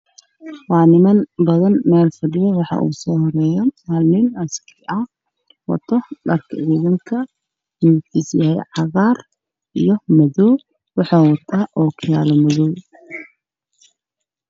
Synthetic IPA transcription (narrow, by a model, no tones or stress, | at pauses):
wɑːnɪmɐnbɐðɐnmɛːlfɐɖɪjɐwɑħɑ̰ʔṵːsɔːhɔɾɛːjɔmaːlnɪnɐskʰɪʔɐ | wɑ̰t̪ʰɔɖɐrkʰɐʕiːðɐŋkʰɐ | jut̪ʰɪsjɐhɛ̰jʕɑɣɑːr | ʔijɔmɐðɔː | wɑħɑːwɐt̪ʰaːʔɔːkʰɪja̰ːlɔmɐðɔw